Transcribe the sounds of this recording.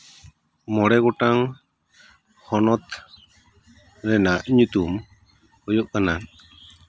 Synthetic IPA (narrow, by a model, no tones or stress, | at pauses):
mɔɽɛɡɔʈaŋ | hɔnɔt̪ | ɾɛnaʔɲut̪um | hɔjɔʔ̚kanan